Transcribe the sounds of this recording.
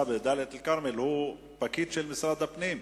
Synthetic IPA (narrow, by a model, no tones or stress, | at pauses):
abed̪aːlet̪alkaɾmelhu | pakiːd̪ʃelmɪsɾad̪apniːm